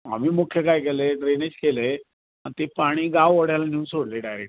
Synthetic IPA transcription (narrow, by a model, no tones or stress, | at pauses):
a̰m̤iːmukʰjekajkeleɖɾened͡ʑkele | ant̪epaɽ̃iːɡaʋəɽjalanuːnsoɽleɖajɾek̚ʈ